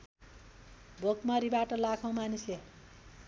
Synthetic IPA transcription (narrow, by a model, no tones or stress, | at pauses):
bʱokmʌɾibaʈʌlakʰʌw̃manisle